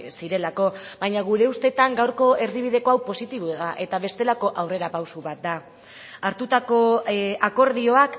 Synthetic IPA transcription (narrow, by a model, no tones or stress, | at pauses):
siɾe̞lako̞βajɲaɣ̞uɾe̞ust̪e̞t̪aŋɡawɾko̞e̞riβ̞iðe̞ko̞awpo̞sit̪iβoeðaʔe̞t̪aβ̞e̞st̪e̞lako̞ʔawre̞ɾapawsuβat̪̚d̪a | aɾt̪ut̪ako̞ako̞ɾðio̞ak